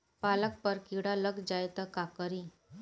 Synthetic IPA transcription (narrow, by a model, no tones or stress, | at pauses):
palək̚pəɾkiɽaləɡd͡ʑajt̪əkakəɾi